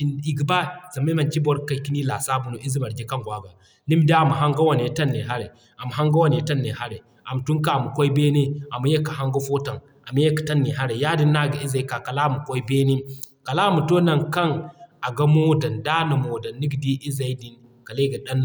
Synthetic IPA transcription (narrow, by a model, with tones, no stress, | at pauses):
i˨ɡi˨ba˦za˨ma˦ma˨nt͡ʃi˦bo˦ɾka˨i˨ki˦ni˦la˨sa˦bu˨no˨ʔi˦zi˦ma˨ɾɡe˦ka˦ŋɡʷa˨ɡa˨ | ni˦m˦da˦a˦˨mu˨ɦa˦ŋɡa˦wa˦˨n˨e˨˦ta˦nːe˨ɦa˦ɾḛ˨ | a˨mu˨ɦa˦ŋɡa˦wa˦ni˨e˨ta˦nːe˨ha˦ɾe˨ | a˨m˨tu˦ŋ˦ka˦˨mu˨kʷo˦i˦be˦ne˦a˨mu˨je˦ka˨ɦa˦ŋɡa˦fo˦ta˨ŋ | a˨mu˨je˦kḁ˨ta˦nːi˨ɦa˦ɾe˨ja˦di˦nːa˦˨ɡa˨i˦za˨i˦ka˨ka˨la˦˨mu˨kʷo˦i˦be˦ni˦ka˨la˦mu˨to˦na˨nka˦ŋa˨ɡa˦mo˦da˨nda˦na˨mo˨da˨nːi˦ɡdi˦ʔi˦za˨i˦di˨n | ka˨le˦ɡa˨ɗa˦nː˦